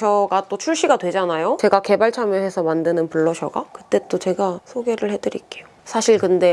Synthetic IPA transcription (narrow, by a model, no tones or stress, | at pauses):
ʌɡat͈ot͡ɕʰuɭɕ͈iɡadwe̞d͡ʑanajot͡ɕe̞ɡake̞baɭt͡ɕʰamjʌɦe̞sʰʌmandɯnɯnpuɭːʌɕʰʌɡa̰kɯt͈e̞t͈ot͡ɕe̞ɡasʰoɡe̞ɾɯɭhe̞dɯɾḭk͈e̞josʰaɕʰiɭkɯnde̞